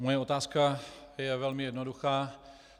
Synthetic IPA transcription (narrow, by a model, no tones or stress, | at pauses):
mojɛo̞t̪aːskajɛvɛlmɪjɛdnoduxaː